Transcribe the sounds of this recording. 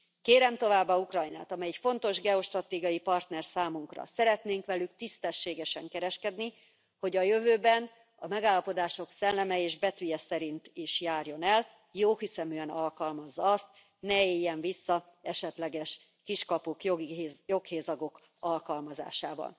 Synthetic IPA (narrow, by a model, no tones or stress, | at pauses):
keːɾɛmt̪o̞vaːbːɒukrɒjna̰ːt̪ɒmɛjɛcfo̞nt̪o̞ʒɡɛoʃt̪rɒt̪eːɡijɒjipɒrt̪nɛrsaːmuŋkrɒ̰sɛɾɛt̪neːŋkʋɛlykt̪ist̪ɛʃːeːɡɛʃɛŋkɛɾɛʃkɛd̪ni | ho̞ɟɒjø̞vøːbɛn | ɒmɛɡaːlːɒpo̞d̪aːʃo̞ksɛlːɛmɛeːʒbɛt̪yjɛsɛɾint̪iʃjaːrjo̞nɛl | joːhisɛmyɛnɒlkɒlmɒzːɒɒst̪̚ | nɛeːjːɛɱvisːɒ | ɛʃɛt̪lɛɡɛʃ | kiʃkɒpukijo̞kheːzɒɡo̞k | ɒlkɒlmɒza̰ːʃa̰ːvɒ̰l